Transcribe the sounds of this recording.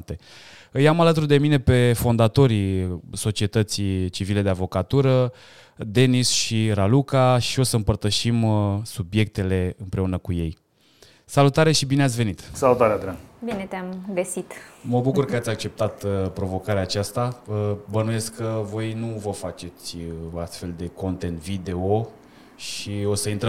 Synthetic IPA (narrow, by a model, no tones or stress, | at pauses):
t̪e̞ɨjamalət̪urd̪e̞mine̞pe̞fo̞nd̪at̪o̞ɾiso̞t͡ʃie̞t̪ət̪sit͡ʃivile̞d̪e̞avo̞kat̪uɾə | d̪e̞nisʃiɾalukaʃio̞səɨmpərt̪əʃimsubje̞k̚t̪e̞le̞ɨmpɾeunəkuje̞̰j | salut̪aɾe̞ʃibineat̪ʲve̞nit̪salut̪aɾead̪ɾanbine̞t̪eamɡəsit̪məbukurkəat̪sʲak̚t͡ʃe̞p̚t̪at̪pɾo̞vo̞kaɾeaːt͡ʃast̪aəbənuje̞skʰːəvo̞jnuvəfat͡ʃe̞t̪sʲoast̪fe̞ld̪e̞ko̞nt̪e̞nt̪vid̪e̞o | ʃio̞səint̪ɾə